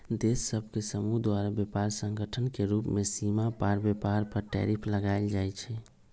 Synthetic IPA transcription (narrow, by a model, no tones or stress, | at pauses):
d̪esːəbʱkesəmuɦd̪waɾabjepaɾsə̃ŋɡəʈʰənkeɾuːpmesimapaɾbjepaɾpəɾʈɛ̰ɾipʰləɡaɪld͡ʒaɛt͡ʃʰɛ